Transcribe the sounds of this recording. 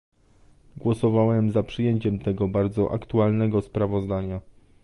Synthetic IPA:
ɡwɔsɔvawɛmzapʂɘjeɲt͡ɕɛmt̪ɛɡɔbaɾd̪zɔʔa̰kt̪ualnɛɡɔspɾavɔzd̪aɲa

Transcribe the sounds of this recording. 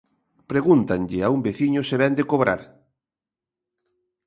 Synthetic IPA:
pɾeɣunt̪aŋʎɪaumbeθiɲʊseβɛnd̪ekoβɾa̰ɾ

